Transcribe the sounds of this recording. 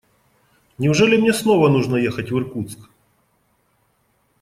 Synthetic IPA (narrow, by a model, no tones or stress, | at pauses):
nʲɪʊʐɛlʲɪmnʲesnovɐnuʐnəjexətʲvɨrkut̪sk